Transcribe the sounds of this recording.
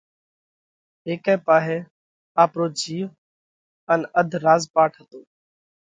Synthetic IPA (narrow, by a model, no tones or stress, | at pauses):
ɦeːkɛːpaːɦeː | aːpɾoːd͡ʒʱiːʋ | ənəd̪ʱɾaːzpaːʈʰɦət̪oː